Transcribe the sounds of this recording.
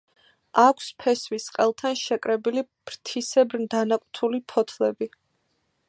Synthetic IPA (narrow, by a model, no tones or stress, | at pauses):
akʷʰspʰɛsvwisqʼɛlˠt̪ʰanʃɛkʼɾɛbilib̥ɾt̪ʰisɛbɾnd̪anakʼt̪ʰulipʰɔt̪ʰlɛbi